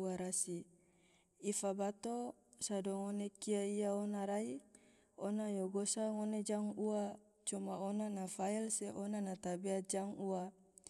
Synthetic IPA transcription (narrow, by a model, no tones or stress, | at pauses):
aɾasi | ifabat̪o | sadoŋonekiaiaonaɾai | onajoɡosaŋoned͡ʒaŋua | t͡ʃumaonanafailseʔonanat̪abead͡ʒaŋua